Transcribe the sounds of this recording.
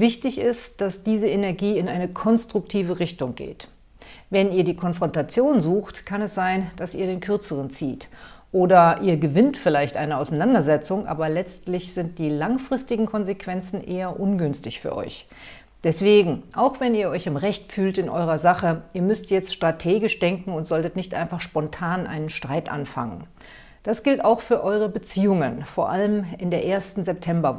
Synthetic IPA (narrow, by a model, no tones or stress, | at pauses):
vɪçtɪçɪstd̥asd̥iːzəenɛɐɡiːɪnʔaɪnəkʰɔnstʁ̥ʊk̚tʰiːvəʁɪçtʊŋɡḛːt | vɛniːɐdiːkʰɔnfʁ̥ɔntat͡sjoːnzuːxtkʰanɛsz̥aɪnd̥asḭːɐdeːnkʰʏɐt͡səʁ̞ənt͡siːtʔoːdɐʔiːɐɡəvɪntfɪlaɪçtʔaɪnəaʊsaɪnandɐzɛt͡sʊŋʔa̰ːbɐlɛt͡stlɪçz̥ɪnt̚d̥iːlaŋfʁ̥ɪstɪɡŋ̩kʰɔnzekv̥ɛnt͡sn̩ʔeːɐʔʊnɡʏnstɪçfyːɐʔɔ̰ʏç | d̥ɛsv̥eːɡŋ̩ʔaʊxv̥ɛniːɐʔɔʏçɪmʁɛçtfyːltɪnʔɔ̰ʏʁ̞ɐzaχəʔiːɐmʏstjɛt͡stʃtʁ̥atʰeːɡɪʃd̥ɛŋkŋ̩ʊntz̥ɔltətnɪçtʔa̰ɪnfaχʃpɔntʰaːnʔa̰ɪnənʃtʁ̥aɪtʔa̰nfa̰ŋə̰n | d̥asɡ̥ɪltaʊxfyːɐʔɔʏʁ̞əbət͡siːʊŋənfoːɐʔaləmɪndeːɐʔeːɐstn̩zɛp̚tʰɛmbɐ